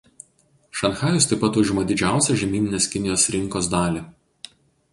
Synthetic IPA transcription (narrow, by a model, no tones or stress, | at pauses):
ʃɐnxɑːˑjʊst̪ɐɪpɐt̪ʊʒʲɪmɐd̪ʲɪd͡ʒʲæˑʊsʲɛʒʲɛmʲiːnʲɪnʲeːskʲɪnʲɪjoːsɾʲɪŋˑkoːsd̪ɑːlʲi